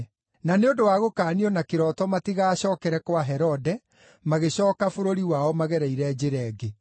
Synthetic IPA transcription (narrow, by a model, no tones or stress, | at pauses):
naneodowaɣokaːniɔnakeɾɔtɔmatiɣaːɕɔːkɛɾɛkwaɦɛɾɔdɛ | maɣeɕɔːkafoɾoɾiwaɔmaɣɛɾɛiɾɛd͡ʑeɾɛːɡe